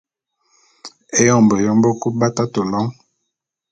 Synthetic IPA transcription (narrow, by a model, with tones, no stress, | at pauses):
e˦jɔ˦˨mbɔ˨jɔ˦mbɔ˦ku˦ba˦ta˦to˨lɔ˦ŋ